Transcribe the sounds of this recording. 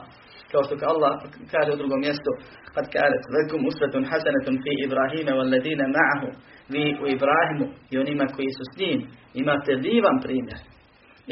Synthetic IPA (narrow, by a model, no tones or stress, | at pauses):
kaoʃt̪okalˠːɑhkaːʒeud̪ɾuɡomːjest̪o | kad̪kaːat̪lakʊmusʋat̪nħasanat̪fiːʔibɾaːɦiːmawalːɛðiːnamaʕaɦu | ʋiːʔuibɾaːɦimuio̞nimako̞jisusɲiːmimaːt̪ed̪iːʋanpɾiːmjeɾ